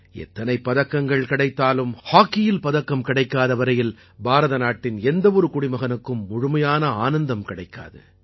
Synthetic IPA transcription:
ɛ̰t̪ːɐnɐɪpːɐðɐkːɐŋɡɐɭkɪɽɐɪt̪ːaːlɯmhaːkːɪjɪlpɐðɐkːɐmkɪɽɐɪkːaːðɐʋɐɾɐjɪl | baːɾɐðɐnaːʈːɪnɛnd̪ɐʋɔɾɯkʊɽɪmɐɣɐnɯkːɯmːʊɻʊmɐjaːnɐaːnɐnd̪ɐmkɪɽɐɪkːa̰ːðɯ̰

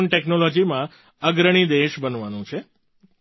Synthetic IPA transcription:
nʈeknolod͡ʒimã | əɡɾəɽ̃id̪eʃbənʋanũt͡ʃʰe

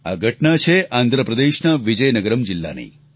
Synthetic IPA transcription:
a̰ɡʱəʈnat͡ʃʰeʔaːnd̪ʱɾəpɾəd̪eʃnəʋid͡ʒəjnəɡəɾəmd͡ʒilːa̰nḛj

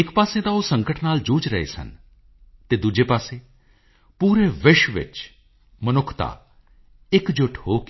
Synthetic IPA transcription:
ɪkpaːsẽt̪aosə̃ŋkəʈnaːld͡ʒuːt͡ʃɾɐɦḛsə̰n | t̪ed̪ud͡ʒepaːsẽ | puːɾeʋɪʃʋɪ̰t͡ʃ | mənʊkʰt̪a̰ː | ɪkd͡ʒoʈʰɦoːk

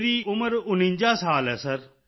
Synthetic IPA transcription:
ɾiːʊməɾʊnĩɲd͡ʒaːsaːlɛːsəɾ

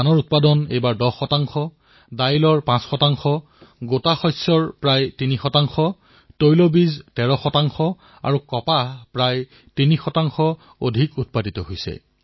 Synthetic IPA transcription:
anɔɹut̚padɔnḛjbaɹdɔxɔtaŋxɔ | dajlɔɹpãsxɔtaŋxɔ | ɡotaxɔjsɔɹpɹajtinixɔtaŋxɔ | tojlobiztɛɹɔxɔtaŋxɔ | a̰ɹukɔpapɹaj | tinixɔtaŋxɔ | odʱikut̚paditɔɦojsɛ̰

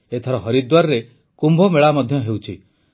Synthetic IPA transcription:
et̪ʰɔɾɔɦɔɾid̪waɾɔɾe | kumbʱɔmeɭamɔd̪ʱjɔɦewt͡ʃʰi

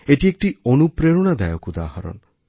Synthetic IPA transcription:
eʈiek̚ʈionupɾeɾɔɽ̃ad̪ajɔkud̪a̰ɦaɾɔ̰n

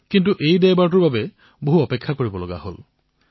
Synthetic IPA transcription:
kintuʔejdɛjbaɹt̬uɹbabɛ | boɦuɔpekʰːakoɹibɔloɡa̰ɦo̰l

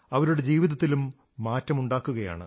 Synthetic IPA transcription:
ɐʋɐɾuɽe̞d͡ʑiːʋiðɐt̪ːilumː | aːtːɐmuɳɖaːkːuɣɐja̰ːɳɨ̰

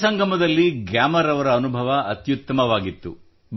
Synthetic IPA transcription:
sɐŋɡʱɐmɐd̪ɐlːiɡjaːmɐɾɐʋɐɾɐːnubʱɐʋɐʔɐt̪jut̪ːɐmɐʋaːɡit̪ːṵ | b

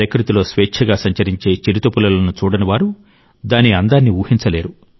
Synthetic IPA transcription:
ɾɐkɾut̪ilo̞ːsʋeːkt͡ʃʰɐɡaːsɐɲt͡ʃɐɾiɲt͡ʃe̞ːt͡ʃiɾit̪opulɐloːnut͡ʃuːɽɐniʋaːɾu | d̪aːniɐnd̪aːnːiuːhiɲt͡ʃɐle̞ːɾu

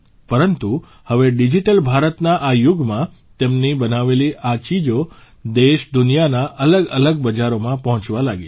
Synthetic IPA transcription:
pəɾənt̪u | həʋeɖid͡ʒiʈəlbʱaɾət̪naʔajuɡmã | t̪emnibənaʋeliʔat͡ʃid͡ʒo | d̪eʃd̪unijanaʔələɡələɡ̚bəd͡ʒaɾomãpəɦɔ̃t͡ʃʋalaɡe

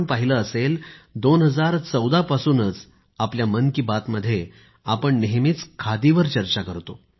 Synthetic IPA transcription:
npaɦiləːseld̪onɦəd͡zaɾt͡səwd̪apasuːnət͡s | apljamənkiːbat̪məd̪ʱːje | apəɳneɦmit͡skʰad̪iʋəɾt͡ɕəɾt͡ɕakəɾt̪o

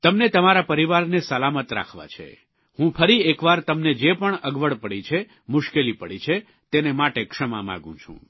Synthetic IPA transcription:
t̪əmnet̪əmaɾapəɾiʋaɾnesəlamət̪ɾa̰kʰʋa̰t͡ʃʰḛ | hũpʰəɾiekʋaɾt̪əmned͡ʒepəɳəɡʋəɭpəɽit͡ʃʰe | mʊʃkelipəɽit͡ʃʰe | t̪enemaʈekʂəma̰mã̰ɡṵ̃t͡ʃʰṵ̃

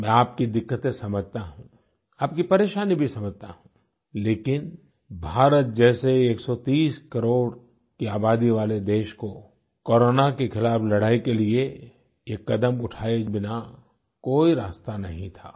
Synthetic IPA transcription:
mɛ̃aːp̚kid̪ɪkːət̪ẽsɐməd͡ʒʱt̪aɦũ | aːp̚kipɐɾeːʃaːnibʱisɐməd͡ʒt̪aɦũ | leːkɪn | bʱaːɾət̪̚d͡ʒɛːseeːksɔt̪iːskɐɾoːɽ | kiaːbaːd̪iʋaːled̪eːʃko | kɔːɾoːnakexʰɪlaːflɐɽaːikelie | jekːɐd̪əmʊʈʰaːed͡ʒbɪna | koːiɾaːst̪anɐɦĩt̪ʰaː

